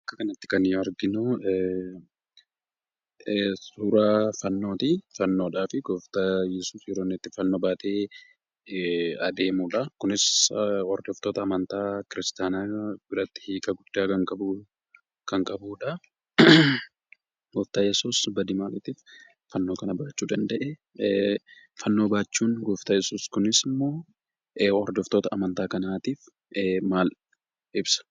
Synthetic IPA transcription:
ʔɐkːɐkɐnɐt̪ːɪ̥kɐnjɐɾɡɪnʊ | suːɾaːfɐnːo̞ːt̪ifɐnːo̞ːᶑaːfɪɡɔft̪ɐjɛsuːsjɛɾonːɛt̪ːɪfɐnːo̞ːbaːt̪e̞ː | ɐd̪e̞ːmuːᶑɐkʊnɪsɔrd̪ɔft̪oːt̪ɐːmɐnt̪aːkɪɾɪst̪aːnaːbɪɾɐt̪ːɪ̥hiːkʼɐɡʊd̪ːaːkɐŋkʼɐbu | kɐŋkʼɐbuːᶑɐ | ɡɔːft̪aːjɛsuːsbɐd̪imaːlɪt̪iːf | fɐnːo̞ːkɐnɐbaːt͡ʃːuːd̪ɐnd̪ɐʔɛ | fɐnːo̞ːbaːt͡ʃːuːŋɡoːft̪aːjɛsuːskʊnɪsɪmːo̞ː | ɔɾd̪ɔft̪oːt̪ɐɐmɐnt̪aːkɐnaːt̪iːf | maːl | ʔɪbsɐ̥

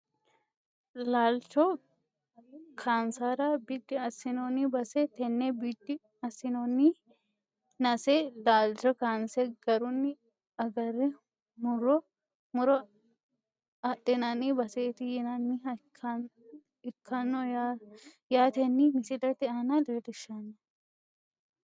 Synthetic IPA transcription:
laːlt͡ʃɔ | kʰaːnsaːɾɐbid̪ːɪɐsɪnonibɐset̪ɛnːebid̪ːɪ | ɐsːɪnonːi | nɐselaːlt͡ʃɔkaːnsɛɡ̥ɐɾʊnːɪ | ɐɡɐɾɛ | mʊɾɔ | mʊɾɔ | ɐt̪ːɪnɐnibɐseːt̪ɪjɛnɐnːɪɐkʰːɐ | ɪkʰːɐnːoja | jaːt̪ɛnːimɪsɪlɐt̪ːɪaːnad̪ed̪ɪʃːɐnːɐ

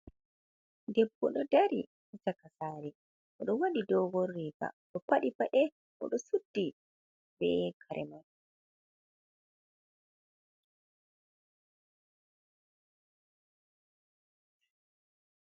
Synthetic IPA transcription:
dɛbːɔɗɔdaɾi | takasaːɾɛ | ʔɔɗɔwaɗidɔɡɔrːiːba̰ɗɔpaɗipaʔɛ | ʔɔ̰ɗɔsudːi | bɛ̰kʰaɾʔɛ̰man

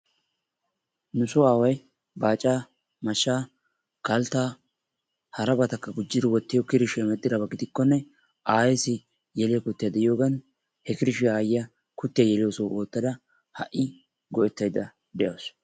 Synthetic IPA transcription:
nʊsoaːwɐj | baːt͡ʃʼːaː | mɐʃːaː | kɐlt̪ːaː | hɐɾɐbɐt̪ɐkːɐɡʊd͡ʒːɪd̪ɪwɔt̪ːɪjɔkɪɾɪʃɛmɛt̪ʼːɪd̪ɐbɐɡɪd̪ɪkːɔnːɛ | ʔaːjɛsɪ | jɛlɪjɐkʊt̪ːɪjɐd̪ɛʔɪjo̞ːɡɐn | hɛkɪɾɪʃɪaːjɪjɐ | kʊt̪ːɪjɐjɛlɪjosowoːt̪ːɐd̪ɐ | hɐ̰ʔɪ | ɡɔʔɛt̪ːɐjd̪ɐ | d̪ɛʔɐws

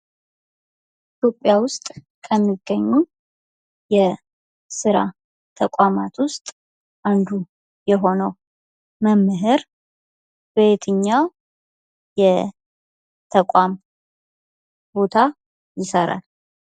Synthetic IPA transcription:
ʔit̪ʰjo̞pʼːjawʊst̪ʼ | kʰəmːiɡ̥ːəɲːu | jɛ | sɨɾa̰ | t̪ʰəkʷʼamat̪wʊst̪ʼ | ʔand̪u | jɛɦo̞nəw | məmːɨɦɨɾ | bet̪ʰɨɲːa | jɛ | t̪ʰəkʷʼam | bo̞t̪ʰa | jɪsəɾa̰l

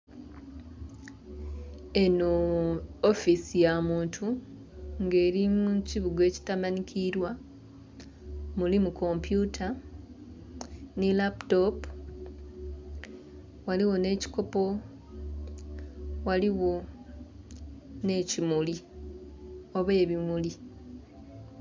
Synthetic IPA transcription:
e̞noː | fisijamuːntʰu | ŋɡe̞ːɾimuciβuɡe̞ːci̥tamanikʰiɾwa | mulimuko̞mpjutʰa | nilapto̞p | waliwo̞ne̞ːci̥ko̞po̞ | waliwo̞ | ne̞ːcimuli | o̞βwe̞ːβimuli

